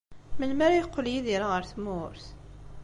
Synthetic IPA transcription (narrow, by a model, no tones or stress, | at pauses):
məlmæɾajqʷːəljiðiɾaʁəɾθmʊɾθ